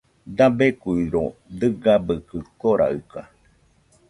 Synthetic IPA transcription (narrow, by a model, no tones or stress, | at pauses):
d̪abekujɾod̪ɨɡabɨkɨkoɾʔa̰ɨka